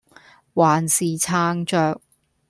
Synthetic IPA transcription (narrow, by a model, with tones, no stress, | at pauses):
waː˨nsiː˨t͡sʰaː˧ŋt͡ʃœː˧k̚